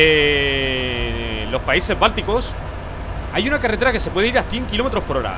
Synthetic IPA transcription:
e | lo̞spaise̞zβalt̪iko̞s | ajunakaret̪e̞ɾake̞se̞pwe̞ðeiɾaθje̞ŋkilo̞me̞t̪ɾo̞spo̞ɾo̞ɾa̰

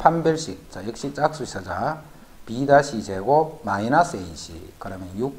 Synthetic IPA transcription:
pʰambjʌɭɕ͈ik̚t͡ɕajek̚ɕ͈it͡ɕ͈ak̚s͈uis͈ʰʌd͡ʑa | pidaɕʰisʰeɡomainas͈eiɕʰḭkɯɾʌmjʌnjuk̚

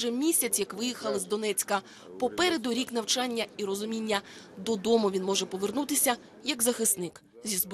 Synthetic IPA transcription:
ɛmʲisʲɐt͡sʲjɐkʋɪjixɐlˠɪzd̪ɔnɛt͡sʲkɐ | pɔpɛɾed̪ʊɾʲikn̪ɐwt͡ʃɑnʲːɐiɾɔzʊmʲinʲːɐd̪ɔd̪ɔmʊʋʲinmɔʒɛpɔʋernut̪ɪsʲɐ | jɐɡzɐxɪst̪nɪk | zʲizb

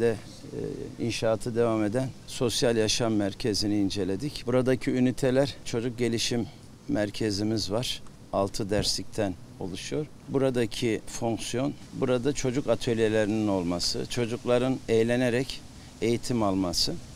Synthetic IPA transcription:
d̪ɛ | ḭnʃaːt̪ʰɯd̪e̞vame̞d̪ænso̞sjalʲˠjaʃamːæɾcʰe̞ziniːnd͡ʒe̞lʲe̞d̪icbuɾad̪acʰiynit̪ʰe̞lʲæɾt͡ʃʰo̞d͡ʒuk̚ɟe̞lʲiʃimː | æɾcʰe̞zimizvaɾ̥ | alˠt̪ʰɯd̪æɾslʲic̚t̪ʰæn | o̞̰lˠuʃujo̞ɾ | buɾad̪acʰifoŋksijo̞n | buɾad̪at͡ʃʰo̞d͡ʒukat̪ʰølʲjelʲeɾinino̞lˠmasɯ̰t͡ʃʰo̞d͡ʒuklˠaɾɯnejlʲe̞ne̞ɾɛc | e̞jit̪ʰimalˠmasɯ

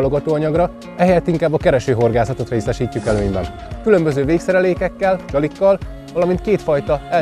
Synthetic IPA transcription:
lo̞ɡɒt̪oːɒɲɒɡrɒ | ɛhɛjɛt̪ːiŋkaːbːɒkɛɾɛʃøːɦo̞rɡaːzɒt̪o̞t̪reːsɛʃiːcːukɛløːɲbɛ̰n | kylø̞mbøzøːveːksɛɾɛleːkɛkːɛlt͡ʃɒlikːɒl | vɒlɒmint̪̚keːt̪fɒjt̪ɒɛ

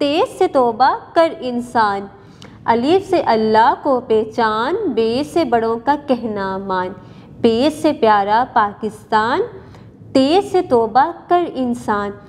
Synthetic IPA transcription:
t̪eːzset̪ɔːbakɐɾɪnsaːn | ɐlifseʔɐlːaːɦkopɛːt͡ʃaːnbeːsebɐɽõkakɛɦnamaːn | peːzsepjaːɾapaːkɪst̪aːn | t̪eːzset̪ɔːbakɐɾɪnsaːn

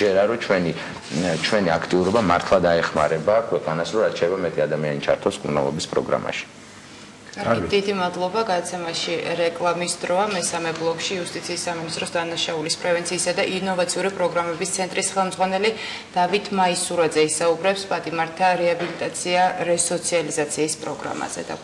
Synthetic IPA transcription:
ɛɾaɾɔt͡ʃʰwɛni | t͡ʃʰwɛniakʰt̪ʼiuɾɔbama̰ɾt̪ʰlˠad̪aɛχma̰ɾɛbakʰwɛqʼanasɾɔɾat̪ʰt͡ʃʰɛlɛbamɛt̪ʼiad̪amianit͡ʃʰa̰ɾt̪ʰɔskʼuɾna̰lˠɔ̰bispʼɾɔ̰ɡɾa̰ma̰ʃi̥ | kʼaɾid̪id̪imad̪lˠɔbaɡad̪at̪sʰɛmaʃiɾɛkʼlˠamisd̪ɾɔamɛsamɛblˠɔkʼʃiːust̪ʼit̪sʰiːsːaminist̪ʼɾɔsd̪anaʃaulispʼɾɛvɛnt̪sʰiːsad̪aʔinɔvat̪sʰiuɾipʼɾɔɡɾamɛbist̪sʰɛnt̪ʼɾisχɛlˠmd̪zʁwanɛli | d̪̥avit̪ʰmaisuɾad̪zɛisaubɾɛpspʼat̪ʼimaɾt̪ʰaɾɛabilit̪ʼat̪sʰiaɾɛsɔt̪sʰializat̪sʰiːspʼɾɔɡɾa̰ma̰z̥ɛ̰d̪a̰

